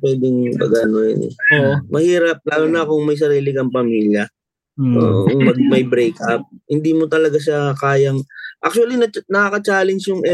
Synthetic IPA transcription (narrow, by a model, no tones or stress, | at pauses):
pwɛd̪ɪŋbɐ̰ɡɐnojɪ̰nɛ̰oʔmɐhiːɾɐp̚laːlonɐkoŋmɐjs̬ɐɾiːlɪkɐŋpɐmiːljɐ | ʔo̰ːʔmɐɡ̚mɐjbɾɛjkʔɐp̚hɪnd̪iːmot̪ɐlɐɡaʃ̬akaːjɐŋʔa̰k̚t͡ʃʊɐlinɐnɐkaːkɐt͡ʃaːlɛnt͡ʃjʊŋʔɛ